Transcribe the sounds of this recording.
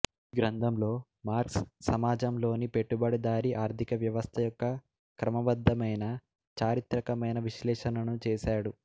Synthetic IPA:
ɡɾɐnd̪ʱɐmlo̞ː | maːɾkssɐmaːd͡ʒɐmlo̞ːnipe̞ʈːubɐɽid̪aːɾiʔaːɾt̪ʰikɐʋjɐʋɐst̪ʰɐjɔkːɐ | kɾɐmɐbɐd̪ʱːɐmɐjnɐ | t͡ʃaːɾit̪ɾɐkɐmɐjnɐʋiʃlɛːʂɐnɐnut͡ʃɛːʃaːɽu

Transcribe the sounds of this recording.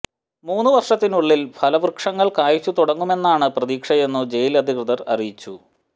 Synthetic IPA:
muːnːuʋɐrʂɐt̪ːinuɭːilpʰɐlɐʋrkʂɐŋːɐɭkaːjit͡ɕːut̪uɽɐŋːume̞nːaːɳɨprɐðiːkʂɐje̞nːud͡ʑe̞jilɐd̪ʱikrɨðɐrɐ̰rijit͡ɕːu

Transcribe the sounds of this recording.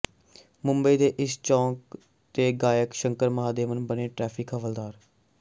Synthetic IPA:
mʊ̃mbəiːd̪eːʔɪst͡ʃɔ̃ːk | t̪eːɡaːjəkʃəŋkəɾməɦaːd̪eːmənbəneːʈɾɛːpʰɪkəʋəld̪aːɾ

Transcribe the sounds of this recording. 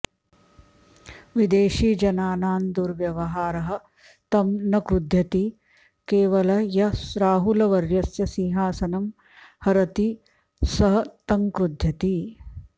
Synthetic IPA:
ʋid̪eːʃiːd͡ʒɐnaːnaːnd̪uɾʋjɐʋɐɦaːɾɐɦɐ̆ | t̪ɐmnɐkɾud̪ʱjɐt̪i | keːʋɐlɐjɐɾaːɦulɐʋɐɾjɐsjɐsiɦaːsɐnɐm | hɐɾɐt̪i | sɐɦɐt̪ɐŋkɾud̪ʱjɐt̪i

